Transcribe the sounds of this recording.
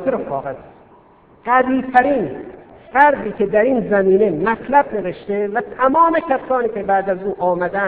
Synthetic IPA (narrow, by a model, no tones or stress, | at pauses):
t̪eɾofɒːɣez | ɡæviːt̪ʰæɾiːnfæɾd̪iːkʰe̞d̪æɾiːnzæmiːne̞mæt̪ʰlæb̚ne̞veʃt̪evæt̪ʰæmɒːmekʰæsɒːniːkʲʰebæːd̪æzuːʔɒːmæd̪æ